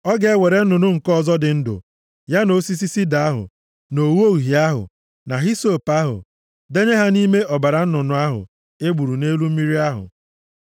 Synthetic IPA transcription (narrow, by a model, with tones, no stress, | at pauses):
ɔ˦ɡe˨˦we˨ɾe˨n̩˦nʊ˨nʊ˦ŋ̩˨kɔ˦˨zɔ˦dɪ˨n̩˦dʊ̰˨ | ja˦no˦si˦si˦si˦da˨a˦ɦʊ̰˨ | no˨wo˦ɣɦi˨a˦ɦʊ̰˨ | na˨ɦi˦so˦˨pa˦ɦʊ̰˨ | de˦ɲe˦ɦa˦ni˦me˦ʔɔ˨ba˨ɾa˨n̩˦nʊ˨nʊ˨a˦ɦʊ̰˨ | e˦ɡ͡bu˨ɾu˨ne˦lu˦m̩˦mi˦ɾi˦a˦ɦʊ̰˨